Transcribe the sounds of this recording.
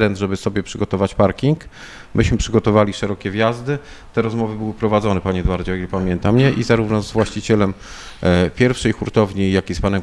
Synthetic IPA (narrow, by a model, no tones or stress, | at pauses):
ɾɛnd̪ʐɛbɘsɔbʲjɛpʂɘɡɔt̪ɔvat͡ɕpaɾkʲiŋk | mʔɘɕmɘpʂɘɡɔt̪ɔvalʲiʂɛɾɔkʲɛvʲjazd̪ɘ | t̪ɛɾɔzmɔvɘbɘwɘpɾɔvad̪zɔnɛpaɲɛd̪waɾd͡ʑɛɔilpamʲjɛnt̪amɲɛʔizaɾuvnɔzvwaɕt͡ɕit͡ɕɛlɛm | pʲjɛɾfʂɛjxuɾt̪ɔvɲijakʲispanɛm